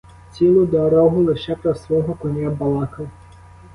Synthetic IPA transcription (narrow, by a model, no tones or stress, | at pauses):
t͡sʲilˠʊd̪ɔɾɔɦʊlˠɪʃɛpɾɔsʋɔɦɔkɔnʲjabɐlˠɑkɐ